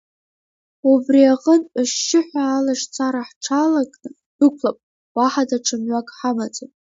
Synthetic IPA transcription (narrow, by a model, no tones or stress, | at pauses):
ubriaqʼənaʃɪħʷaːlaʂt͡sʰaɾaħʈ͡ʂʰalakʼnɨ | dɨkʷʰlapʼ | waħadaʈ͡ʂʰɨmɥʷakʼħamat͡sʼonʼ